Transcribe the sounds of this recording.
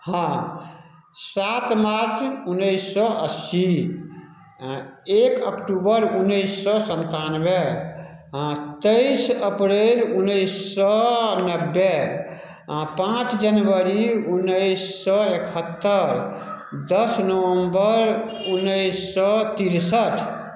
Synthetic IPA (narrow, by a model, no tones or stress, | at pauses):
hã | sat̪maɾt̪unːəjsːɔəsi | ekəkʈubəɾunːəjsːɔsənt̪anbe | t̪əjsəpɾelunːəjsːɔnəbːe | pãt͡ʃd͡ʒənʋəɾiunːəjsːɔekʰət̪ːəɾ | d̪əsnəwəmbəɾunːəjsːɔt̪iɾsəʈʰ